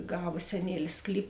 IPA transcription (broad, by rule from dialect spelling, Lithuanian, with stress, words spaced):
ˈɡɑːʋɐ sʲɛˈnʲiɛlʲɪs ˈsklʲiːp